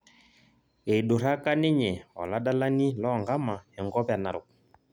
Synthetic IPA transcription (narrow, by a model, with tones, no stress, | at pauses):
e˨ɗʊ˨ɾa˦ka˦nɪ˦ɲɛ˨ɔ̰˨la˦da˦la˦nɪ˦lɔ˦˨ŋɡa˦ma˨ɛ˨ŋɡɔ˦ba˨na˨ɾʊ˨k̚